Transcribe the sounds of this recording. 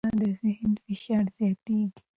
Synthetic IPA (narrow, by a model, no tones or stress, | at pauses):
ãd̪əzɪɦnfɪʃaɾzjat̪iɡ